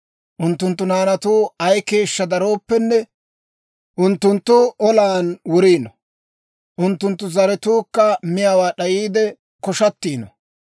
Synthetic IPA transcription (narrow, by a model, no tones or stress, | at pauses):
ʔʊnt̪ːʊnt̪ːʊnaːnɐt̪uːɐjke̞ːʃːɐd̪ɐɾo̞ːpːɛnːɛ | ʔʊnt̪ːʊnt̪ːʊʔɔlaːnwʊɾiːnɔ | ʔʊnt̪ːʊnt̪ːʊzɐɾɛt̪uːkːɐmɪjaːwaːɗɐjiːd̪ɛ | kɔʃɐt̪ːiːnɔ̰